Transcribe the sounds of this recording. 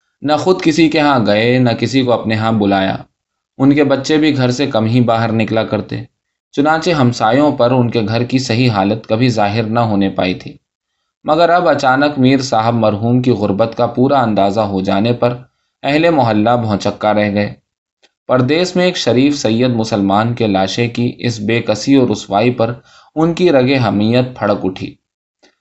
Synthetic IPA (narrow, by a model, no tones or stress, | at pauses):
nɐxʊd̪kɪsikeɦãɡɐenɐkɪsikoɐpneɦãbʊlaːja̰ː | ʊnkebɐtːʃebʱiɡʱɐɾsekɐmɦibaːɦəɾnɪklakɐɾt̪ḛː | t͡ʃʊnãːt͡ʃeɦɐmsaːjõpɐɾʊnkeɡʱɐɾkisɐɦiɦaːlət̪kɐbʱizaːɦɪɾnɐɦoːnepa̰ːḭt̪ʰiː | mɐɡəɾɐbɐt͡ʃaːnəkmiːɾsaːɦɪbmɐɾɦuːmkiɣʊɾbət̪kapuːɾaɐ̃nd̪aːzaɦod͡ʒaːnepɐɾ | ɛɦlemʊɦəlːabɔʊ̃t͡ʃəkːaɾɛɦɡɐeː | pɐɾd̪eːʃmẽeːkʃɐɾiːfsɐjːəd̪̚mʊsəlmaːnkelaːʃekiʔɪ̰sbeːkɐsiɔːɾʊswaːipɐɾ | ʊnkiɾɐɡeɦɐmiːjət̪̚pʰɐɽəkʊʈʰḭː